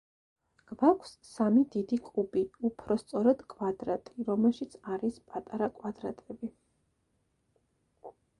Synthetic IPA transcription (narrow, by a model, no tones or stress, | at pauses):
ɡ̥vakʷʰsːamid̪id̪ikʼubiupʰɾɔst̪sʼɔɾad̪̥kʼwad̪ɾat̪ʼiɾɔmɛlˠʃit̪sʰaɾispʼat̪ʼaɾakʼwad̪ɾa̰t̪ʼɛbi